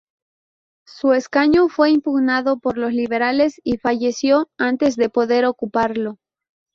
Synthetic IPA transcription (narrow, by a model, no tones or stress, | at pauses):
sue̞skaɲofwe̞impuɣnaðo̞po̞ɾlo̞sliβ̞e̞ɾale̞sifaʝe̞sjo̞ant̪e̞zðe̞po̞ðe̞ɾo̞kupaɾlo̞